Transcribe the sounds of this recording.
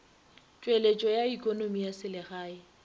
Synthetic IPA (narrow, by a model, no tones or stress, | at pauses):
t͡ʃʼwelet͡ʃʼɔjaikʼonomijasɪlɪɣaːɪ